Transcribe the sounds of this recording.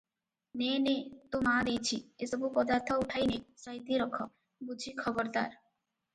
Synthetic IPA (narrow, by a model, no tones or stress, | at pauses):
nenet̪omad̪ejt͡ɕʰiesɔbupɔd̪aɾt̪ʰɔuʈʰajnesaɦit̪iɾɔkʰːɔ̰ | bud͡ʒʱikʰɔbɔɾt̪a̰ɾ